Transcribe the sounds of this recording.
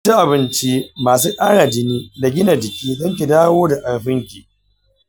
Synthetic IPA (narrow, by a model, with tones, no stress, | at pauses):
i˦ʔa˨bɪ˦nt͡ʃi˦maː˨suː˦kʼaː˦ɽaː˨d͡ʒɪ˦niː˦da˨ɡʲɪ˦na˨d͡ʒɪ˨kʲiː˦zɐ˦ŋk̬ʲi˨daː˦woː˦da˨ʔa˨lɸɪ˦ŋkʲi̥˨